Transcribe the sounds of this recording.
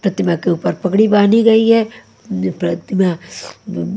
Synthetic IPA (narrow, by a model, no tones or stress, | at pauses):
pɾɐt̪ɪmakeuːpəɾpɐkɽibaːniɡɐiɦɛ | pɾɐt̪ɪma